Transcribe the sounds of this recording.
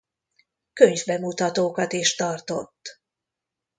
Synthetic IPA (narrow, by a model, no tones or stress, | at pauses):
køɲvbɛmut̪ɒt̪oːkɒt̪eːʃt̪ɒrt̪o̞̰t̪ː